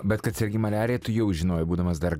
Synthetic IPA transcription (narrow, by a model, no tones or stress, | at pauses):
bʲɛt̪kɐt̪sʲɛɾʲɡʲɪmɐlʲæːɾʲɪjɛt̪ʊjɛʊʒʲɪnoːjɛbuːd̪ɐmɐsd̪ɐɾ